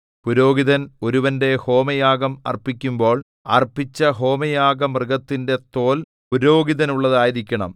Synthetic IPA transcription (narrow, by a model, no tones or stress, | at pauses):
puɾo̞ːɡiðɐno̞ɾuʋɐnde̞ho̞ːmɐjaːɡɐmɐ̰rpːikʲːumbo̞ːɭ | ɐ̰rpːit͡ɕːɐɦo̞ːmɐjaːɡɐmrɨɡɐt̪ːinde̞t̪o̞ːl | puɾo̞ːɡiðɐnuɭːɐðaːjiðikʲːɐɳɐ̰m